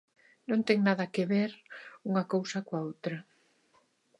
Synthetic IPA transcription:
nõnt̪ɛŋnaðɐkeβeɾuŋɐkowsɐkwaowt̪ɾɐ

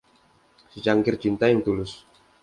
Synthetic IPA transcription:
sət͡ʃaŋkɪrt͡ʃint̪ajaŋt̪ulʊs

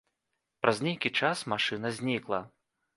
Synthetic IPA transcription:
pɾʔazʲnʲejkʲit͡ʂasmaʂɨnɐzʲnʲiklˠɐ

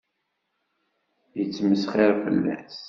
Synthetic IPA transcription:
jət͡sːməsχeɾfə̰lːæ̰s

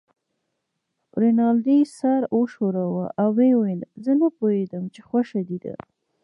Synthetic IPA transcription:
ɾɪnɑld̪isaɾoʃoɾawaʔawːewelzənapohed̪əmt͡ʃexwaʃad̪id̪a̰

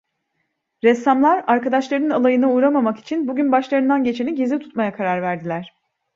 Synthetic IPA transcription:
ɾɛsːamlˠaɾaɾkad̪aʃlˠaɾɯnalˠajɯnauɾamamaki̥t͡ʃʰinbuɟynbaʃlˠaɾɯnd̪anɟe̞t͡ʃʰe̞niɟizɛt̪ʰu̥t̪majakʰaɾaɾvæɾd̪ilʲæɾ̝̥

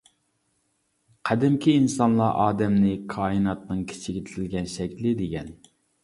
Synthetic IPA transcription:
qʰæd̪ɪmkʲʰiːnsɑnlˠɑ̰ʔɑːd̪ɛmnɪkʰɑːɨnɑt̪nɨŋkʲʰi̥t͡ʃʰɪɡʲɪt̪ʰɪt̪ʰɪlɡʲɛnʃɛkʲlɪd̪eɡʲɛn

